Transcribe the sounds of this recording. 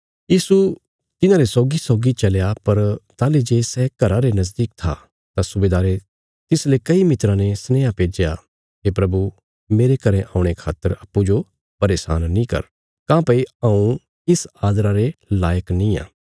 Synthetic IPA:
jiːsu | t̪ɪnãːɾesɔːɡisɔːɡit͡ʃɐlejapɐɾt̪aːled͡ʒeːsɛːkɐɾãɾenɐzd̪iːk̚t̪ʰa̰ | t̪asʊbeːd̪aːɾe | t̪ɪslekɐimɪt̪ɾãnesnɛːapeːd͡ʒja̰ | ɦeːpɾɐbu | meːɾekɐɾɛ̃ʔaːʊ̃ɽ̃ekʰa̰ːt̪ːəɾɐpːũd͡ʒo | pɐɾeːsa̰ːnːĩkɐ̰ɾ | kãːpɐiãũ | ɪsaːd̪ɾãɾelaːjəknĩːã̰ː

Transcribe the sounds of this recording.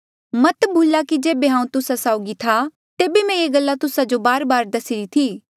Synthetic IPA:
mɐt̪bʱuːlakid͡ʒeːbeɦãːũt̪ʊsasaːʊɡit̪ʰa | t̪eːbemɛ̃eːɡəlːat̪ʊsad͡ʒobaːɾbaːɾd̪ɐsɪɾit̪ʰiː

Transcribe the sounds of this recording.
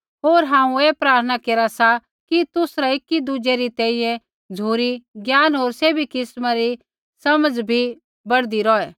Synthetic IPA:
ɦoːɾɦãːũeːpɾaːɾt̪ʰənakeːɾasa | kit̪ʊsɾaɪkːid̪ʊd͡ʒeɾit̪ɛ̃ːĩjɛ̃ | d͡zʱuːɾiɡjaːnɦoːɾseːbikɪsmaɾi | sɐməd͡zbʱi | bɐɽd̪iɾɔɛː

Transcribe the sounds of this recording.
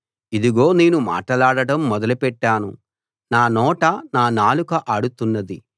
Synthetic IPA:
id̪iɡoːne̞ːnuma̰ːʈɐlaːɽɐɽɐmːɔd̪ɐlupɛʈːaːnu | naːnɔːʈɐnaːnaːlukɐʔaːɽut̪unːɐd̪i

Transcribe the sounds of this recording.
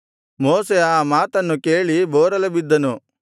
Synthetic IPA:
moːseaːmaːt̪ɐnːukeːɭibɔːɾɐlɐbid̪ːɐnu

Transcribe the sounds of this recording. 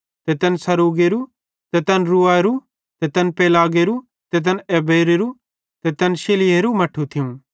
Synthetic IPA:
t̪ɛt̪ɐnsɐɾuːɡeɾu | t̪ɛt̪ɐnɾuaɾu | t̪ɛt̪ɐnpeːlaːɡeɾu | t̪ɛt̪̬ɐnɛːbeːɾeɾu | t̪ɛt̪ɐnʃelɪeɾumɐʈʰut̪ʰɪũ

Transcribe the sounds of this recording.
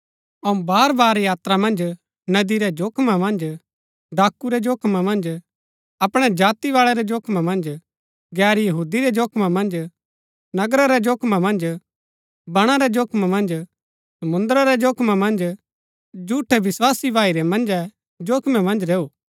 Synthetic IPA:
ɐũbaːɾbaːɾjaːt̪ɾamɐ̃nd͡ʒ | nɐd̪iɾɛd͡ʒoːkʰmamɐ̃nd͡ʒ | ɖaːkːuɾɛd͡ʒoːkʰmamɐ̃nd͡ʒ | ɐpɽ̃ɛd͡ʒaːt̪iʋaːɭɛɾɛd͡ʒoːkʰmamɐ̃nd͡ʒ | ɡɛːɾjɐɦuːd̪iɾɛd͡ʒoːkʰmamɐ̃nd͡ʒ | nɐɡɾaɾɛd͡ʒoːkʰmamɐ̃nd͡ʒ | bɐɽ̃aɾɛd͡ʒoːkʰmamɐ̃nd͡ʒ | sɐmʊ̃nd̪ɾaɾɛd͡ʒoːkʰmamɐ̃nd͡ʒ | d͡ʒuːʈʰɛʋɪswaːsibʱaːiɾɛmɐ̃nd͡ʒɛ | d͡ʒoːkʰmɛmɐ̃nd͡ʒɾeːuː

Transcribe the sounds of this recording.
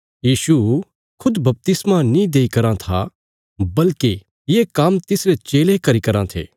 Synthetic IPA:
jiːʃu | kʰʊd̪bɐp̚t̪ɪsmãnĩd̪eːikɐɾãt̪ʰa̰ | bɐlke | jeːkamt̪ɪsɾet͡ʃeːlekɐɾikɐɾãt̪ʰḛː

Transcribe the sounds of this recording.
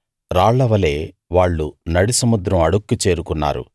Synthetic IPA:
ɾaːɭːɐʋɐle̞ː | ʋaːɭːunɐɽisɐmud̪ɾɐmɐɽukːut͡ʃe̞ːɾukunːa̰ːɾṵ

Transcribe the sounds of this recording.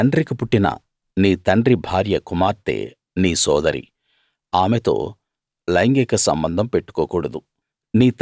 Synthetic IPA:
ɐɳɖɾikipuʈːinɐ̰ | niːt̪ɐɳɖɾibʱaːɾjɐkumaːɾt̪ḛː | niːsɔːd̪ɐɾḭ | aːmet̪o̞̰ː | lɐjŋɡekɐsɐ̰mbɐnd̪ʱɐmpe̞ʈːu̥koːkuːɽɐd̪u | niːt̪

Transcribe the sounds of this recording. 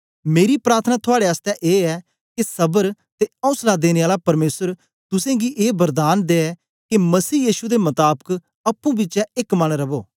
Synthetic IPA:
meːɾipɾaːɾt̪ʰənat̪ʰʊaːɽeəst̪ɛʔeːɛː | kesɐbəɾt̪eɔ̃ʊ̃slad̪eːneaːlapɐɾmeːsəɾ | t̪ʊsẽɡiʔeːbɐɾd̪aːnd̪eːɛ | kemɐsiːjiːʃud̪emɐt̪aːbək | ɐpːũbit͡ʃɛɪkmɐnɾɐboː

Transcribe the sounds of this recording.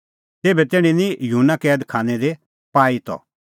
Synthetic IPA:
t̪eːbɛt̪eːɽ̃ĩnijɦunːakɛːd̪kʰaːñɛd̪e | paːit̪ɔ̰

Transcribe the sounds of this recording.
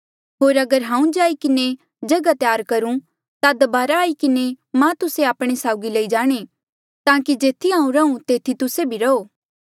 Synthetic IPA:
ɦoːɾɐɡəɾɦãːũd͡ʒaːikɪne | d͡ʒɐɡat̪jaːɾkɐɾũ | t̪ad̪ɐbaːɾaːikɪne | mãt̪ʊseaːpɽ̃esaːʊɡilɐid͡ʒaːɽ̃e | t̪ãːkid͡ʒeːt̪ʰiɦãːũɾɐũt̪eːt̪ʰit̪ʊsebʱiɾɐoː

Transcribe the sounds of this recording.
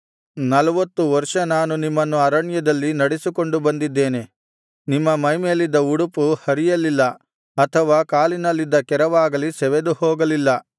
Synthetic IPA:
nɐlɐʋɐt̪ːuʋɐɾʂɐnaːnunimːɐnːuɐɾɐɳjɐd̪ɐlːinɐɽesiko̞ɳɖubɐnd̪id̪ːe̞ːne̞ | nimːɐmɐjmelid̪ːɐuɽupuhɐɾijɐlːilːɐ | ɐt̪ʰɐʋaːkaːlinɐlːid̪ːɐkɛɾɐʋaːɡɐlisɛʋed̪uhɔːɡɐlilːɐ

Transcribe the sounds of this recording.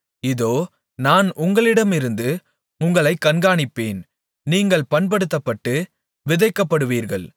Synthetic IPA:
ɪðoː | naːnʊŋɡɐɭɪɽɐmɪɾɯnd̪ɯ | ʊŋɡɐɭɐɪkːɐnɡaːɳɪpːeːn | niːŋɡɐɭpɐnpɐɽɯt̪̬ːɐpːɐʈːɯ | ʋɪðɐɪkːɐpːɐɽɯʋiːɾɣɐɭ

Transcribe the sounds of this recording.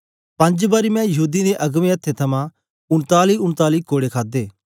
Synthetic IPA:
pɐ̃ɲd͡ʒbaːɾimɛ̃jɐɦuːd̪ineʔɐɡmẽɐt̪ʰːet̪ʰɐmã | ʊɳt̪aːliʊnt̪aːlikoːɽekʰaːd̪eː

